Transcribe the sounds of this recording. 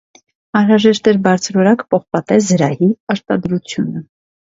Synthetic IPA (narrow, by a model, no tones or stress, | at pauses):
ɑnɾɑʒɛʃt̪ɛɾbɑɾt͡sʰɾɔɾɑkpɔχpɑt̪ɛzəɾɑhiɑɾt̪ɑd̪ɾut͡sʰjunə